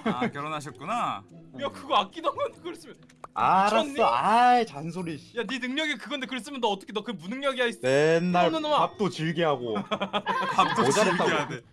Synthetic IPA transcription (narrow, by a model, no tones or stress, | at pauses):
kjʌɾʌnɦaɕʰʌt̚k͈unajakɯɡʌak̚k͈inaŋʌnkɯɾes͈ɯmjʌ | aɾas͈ʌajt͡ɕansʰoɾijaninɯŋɲʌɡikɯɡʌndekɯɾes͈ɯmjʌndʌʌt͈ʌkʰedʌkɯmunɯŋɲjʌɡiɦais͈nenːaɭnɯnomaap̚t͈ot͡ɕiɭɡiɦaɡo | pap̚t͈ood͡ʑaɾet͈aae